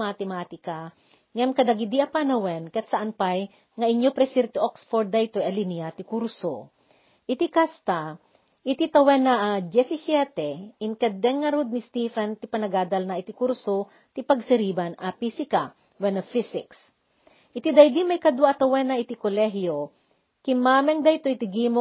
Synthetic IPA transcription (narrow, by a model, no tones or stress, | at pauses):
mɐt̪ɛmaːt̪ɪka | ŋɛmkɐd̪ɐɡɪd̪iʔɐpanɐwɛnkɐt̪sɐʔanpaj | ŋɐʔɪɲjopɾɛsiɾt̪iʔoksfoɾd̪ːajt̪oɐliniat̪ɪkuɾso | ʔɪt̪ikast̪a | ʔɪt̪it̪ɐwɛnaʔad̪jɛsɪsjɛt̪ɛɪnkɛd̪ɛŋːɐɾud̪̚nɪst̪ifɐnt̪ipɐnɐɡaːd̪ɐlnɐʔɪt̪ikuɾso | t̪ipɐɡsɛɾiːbɐnɐpisɪka | wɛnɐfisɪks | ʔɪt̪id̪ɐjd̪imɐjkɐd̪waʔɐt̪ɐwɛnɐʔɪt̪ikolɛɦjo | kɪmaːmɛŋd̪ɐjt̪oʔɪt̪ɪɡimo